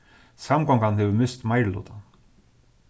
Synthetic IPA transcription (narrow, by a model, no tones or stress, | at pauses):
samkɔwŋkanhɛvʏmɪst̪maːjɾlo̰ːt̪an